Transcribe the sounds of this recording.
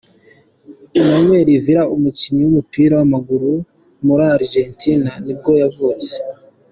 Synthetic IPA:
inoŋwe̞ːɾiviɾaumuciɲiwumupiːɾawamaɡuɾu | muɾaːɾʒentinanib̚ɡo̞javut͡se̥

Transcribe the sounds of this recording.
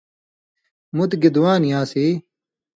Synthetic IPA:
mut̪ɡid̪waːnjãːsiː

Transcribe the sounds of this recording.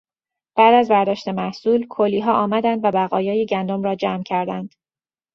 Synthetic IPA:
b̥æd̪æzbæɾd̪ɒːʃt̪e̞mæhsuːlkʰolːiːɦɒːʔɒːmæd̪ænd̪væbæɣɒːjɒːjeɟænd̪omɾɒːd͡ʒæmcʰæɾd̪ænd̪̥

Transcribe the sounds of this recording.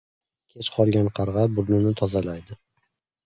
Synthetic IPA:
kʲʰet͡ʃqʰɒlˠɡʲanqʰɑɾʁɑbʊɾnɪnɪt̪ʰɒzalajd̪ɪ

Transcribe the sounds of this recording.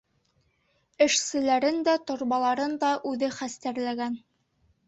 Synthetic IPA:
ɘ̆ʃsɘ̆læɾɘnd̪æt̪ŏɾβɑlˠɑɾɤnd̪ɑʔʉðɘχæst̪æɾlæɡæn

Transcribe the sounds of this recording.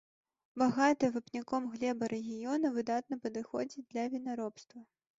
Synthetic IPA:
baɣat̪ɨvɨpnʲikɔmɣlʲɛbɐɾɛɣʲijɔnɐvɨd̪at̪nɐpɐd̪ɨxɔd͡zʲid̪lʲɐvʲinaɾɔpst̪vɐ

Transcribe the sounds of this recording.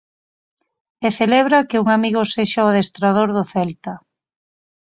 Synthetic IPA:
eθeleβɾakɪuŋamiɣʊseʃaʊðest̪ɾað̞oɾðʊθɛlt̪a

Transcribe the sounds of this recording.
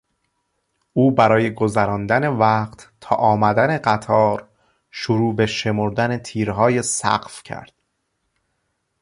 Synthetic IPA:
ʔuːbæɾɒːje̞ɡozæɾɒːnd̪æne̞væːqqt̪t̪ʰɒ̰ːʔɒːmæd̪æneɢæt̪ʰɒːɾ | ʃoɾuːbe̞ʃe̞moɾd̪æne̞t̪ʰiːɾɦɒːjesæ̰qfcʰæ̰ɾd̪̥

